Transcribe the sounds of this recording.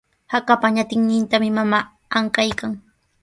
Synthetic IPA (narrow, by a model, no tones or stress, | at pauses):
hakapaɲat̪ɪŋnɪnt̪amɪmamaː | aŋkajkaŋ